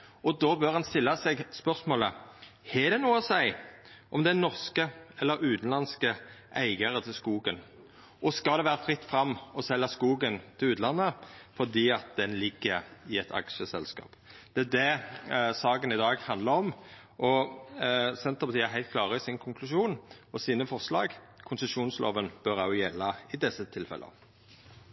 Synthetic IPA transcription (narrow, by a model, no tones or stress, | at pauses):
ɔd̪oːbøɾhɑnst̪ɪlːɑsɛɡspœʁsmoːləhɛd̪ɛnuːəɔsæɪʔɔmd̪ɛænɔʁskəɛlːəɾʉːt̪n̩lɑnskəʔæɪɡəɾət̪ʰɪlskuːɡən | ʔɔskɑld̪ɛʋæːɾəfɾɪt̪ːfɾɑmːɔsɛlːɑskuːɡənt̪ʰɪlʉːt̪lɑnːəfɔd̪iːɑt̪̚d̪ɛnlɪɡːəɪɛt̪ʰɑ̰kʃəsɛlskɑ̰ːpd̪̥ɛæd̪ɛsɑːɡənɪd̪ɑːɡhɑnd̪lɑɾɔm | ʔɔ | sɛnt̪əpɑt̪iːæɾɦæɪt̪̚kʰlɑːʁəɪsɪnkʰʊŋkʰlʉʃuːnɔsiːnəfɔʁslɑ̰ːɡ | kʰʊnsəsuːnslʔo̰ːʋənb̥œʁɑʊjɛlːɑɪd̪ɛsːət̪ʰɪlfɛ̰lʔə̰